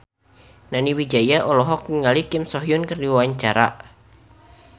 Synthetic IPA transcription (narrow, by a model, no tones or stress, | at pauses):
naniwid͡ʒajaʔɔlɔɦɔkiŋalikɪmsɔɦjʊnkərdiwawaɲt͡ʃaɾa̰ʔ